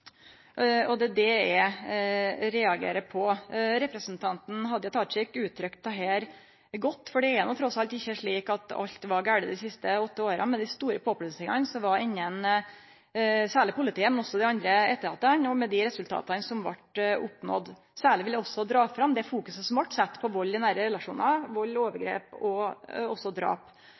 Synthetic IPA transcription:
ɔd̪ɛd̪ɛɛ | ɾɛɑɡḛːɾəpʰɔɾɛpɾəsnt̪ʰɑnt̪n̩ɦɑd̪ːəjɑt̪ʰɑt͡ʃɪkʉːt̪ʰɾʏkt̪̚ɛɦɛːɾ | ɡɔt̪ːfɔɖɛɛɾnʊt̪ʰɾɔsɑlt̪ɪçːəʂɭiːkɑt̪ɑ̰ʎt̪ʋɑɾɡæːɖəd̪ɪsɪst̪əɔt̪ːəoːɾə̰mɛd̪ɪst̪uːɾəpʰoːpʰɽʉsɪŋɑnsɔʋɑɪɲːən | sæːɭɪpʊlɪt̪iːəmɛnɔsːɔd̪ɪɑnd̪ɾəɛt̪ːəɾhɑt̪ːənɔmɛd̪ɪɾɛsʉlt̪ʰɑ̰ːt̪ɑnsɔmʋɑ̰ʈʊpnɔ̰d̪ | sæːɭɪʋɪljæɔsːɔd̪ɾɑːfɾɑmd̪ɛfuːkʉsəsɔmʋɑʈːsæt̪ːpʰɔʋɔlːd̪ɪnæɾəɾɛlɑʂṵːnɑʋɔlːoːʋəɾɡɾḛːpɔɔsːɔd̪ɾɑ̰ːp

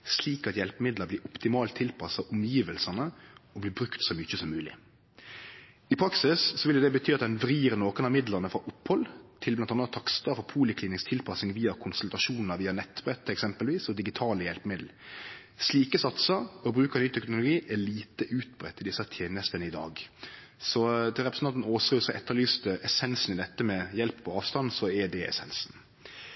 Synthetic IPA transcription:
sliːkɑt̪jɛlpəmɪd̪ləblɪːɾʊpt̪ɪmɑːlt̪ʰːɪlpʰɑsɑʊmjiːʋəlsɑnəɔbliːbɾʉkt̪sɔmʏçəsɔmːʉːlɪ̰ | ɪpʰɾɑksɪssɔʋɪlɛd̪ɛbət̪ʰyːɑt̪̚d̪ɛnʋɾiːɾənoːkənɑmɪd̪lənəfɾɑʔʊpːhɔlt̪ʰɪlblɑnt̪ɑnət̪ʰːɑkst̪ɑfɔpʰuːlɪkʰliːnɪŋst̪ʰɪlpʰɑsnɪŋʋiːɑkʰʊnsʉlt̪ɾɑʃuːnnəɾʋiːɑnɛt̪ːbʁɛt̪ːɛksɛmpəlʋiːsɔd̪ɪɡɪt̪ʰɑːljɛlpəmɪd̪l̩ | sliːkəsɑt̪səɔbɾʉːkəɾnyːt̪ʰɛknʊlʊɡiːʔæliːt̪əʔʉːt̪̚bɾɛt̪ːɪd̪ɪsːət̪ʰjeːnəst̪ənəɪd̪ɑ̰ːɡsɔd̪ɪʁɛpɾɛsnɑnt̪noːsɾøːsɔʔɛt̪ːəɾlyːst̪əʔɛsɛnsn̩ɪd̪ɛt̪ːəmɛjɛlppʰɔɑːʋst̪ɑnsɔɛɖɛɛ̰sɛnsn

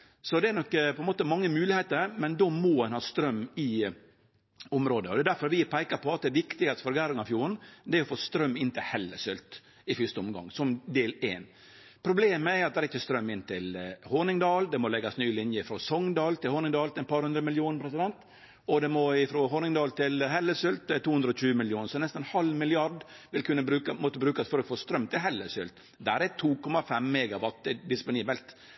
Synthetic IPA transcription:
sɔd̪ɛɛɾnɔkːpɔɛnmoːt̪əmɑŋːəmʉːlɪheːt̪əɾmɛnd̪ɔmɔɛnhɑːst̪ɾœmːɪ | ʊmɾoːd̪əɔd̪ɛːd̪æɾfɔɾʋɪpʰæɪkɑpɔɑt̪̚d̪ɛːʋɪkt̪ɪɡɑst̪fɔɾɡæːɾʊŋɑfjuːɾən̩d̪ɛɾɔfoːst̪ɾœmːɪnːt̪ʰɪhɛlːəsʏlt̪ | ɪfʏst̪əɔmɡɑ̰ŋːsɔmd̪eːleːn | pʰɾʊbleːməɛɾɑt̪̚d̪ɛæɾɪçːəst̪ɾœmːɪnːt̪ʰɪlhonɪŋd̪ɑːld̪ɛmɔlɛɡɑsnyːəlɪnjəɪfɾɔsɔŋd̪ɑːlt̪ɪlhɔːnɪŋd̪ɑːlt̪ɛnpʰɑɾhʉnd̪ɾəmɪljuːnəpʰɾɛsɪd̪ɛnt̪ | ɔd̪ɛmɔɪfɾɔɦɔnɪŋd̪ɑːlt̪ɪlɦɛlːəsʏlt̪̚d̪ɛɛt̪ʰːuːhʉnd̪ɾəɔc͡çʉːəmɪljuːnsɔɛnɛsnɛnhɑlmɪlɪɑɖʋɪlkʰʉnːəbɾʉːkəmɔt̪ːəbɾʉːkɑsfɔɾɔfoːst̪ɾœmːt̪ʰɪlɦɛlːəsʏlt̪ | d̪æːɾɛt̪ʰuːkʰɔmɑfɛmːɛːɡɑʋɑt̪ːɛd̪ɪspʊniːbəlt̪

